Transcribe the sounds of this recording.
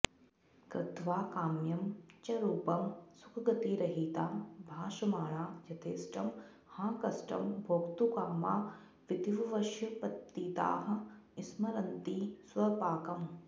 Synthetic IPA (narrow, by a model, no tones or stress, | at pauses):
kɾɪd̪ʋaːkaːmjɐmt͡ʃɐɾuːpɐmsu̥kʰɐɡɐt̪iːɾɐɦiːt̪aːbʱaːʃɐmaːɭaːd͡ʒɐt̪eːsʈɐm | hãːkɐsʈɐ̰mbʱoːkt̪ukaːma̰ː | ʋit̪iʋɐʋɐʃjɐpɐt̪ːiːt̪a̰ːɦɐ̆ismɐɾɐnt̪iːswɐpaːkɐm